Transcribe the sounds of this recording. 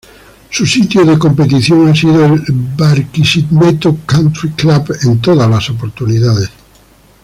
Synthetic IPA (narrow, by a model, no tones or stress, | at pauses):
susit̪joðekompet̪iθjoŋasiðoelbaɾkisiðmet̪okant̪ɾiklaβent̪oðalasop̬oɾt̪uniðaðes